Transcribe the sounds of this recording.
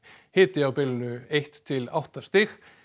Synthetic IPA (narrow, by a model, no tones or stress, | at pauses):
hɪːt̪ɪawpɪlnʏeht̪ʰːɪla̰wht̪ast̪ɪx